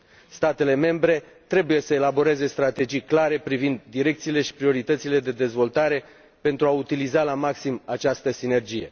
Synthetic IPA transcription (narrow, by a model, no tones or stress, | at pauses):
st̪at̪e̞le̞me̞mbɾe̞ | t̪ɾe̞buje̞səelabo̞ɾe̞ze̞st̪ɾat̪e̞d͡ʒijklaɾe̞pɾivind̪ːiɾe̞k̚t̪siːle̞ʃi̥pɾio̞ɾit̪ət̪sile̞d̪e̞d̪e̞zvo̞lt̪aɾe̞ | pe̞nt̪ɾuaut̪ilizalamaksimat͡ʃast̪əsine̞rd͡ʒije̞̰